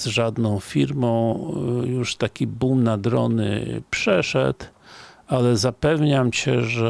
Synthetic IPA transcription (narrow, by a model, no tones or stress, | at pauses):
z̥ʐad̪nɔ̃w̃fʲiɾmɔ̃w̃juʂt̪akʲibumnad̪ɾɔ̰nɘ̰pʂɛʂɛ̰t̪ | alɛzapɛvɲamt͡ɕɛʐɛ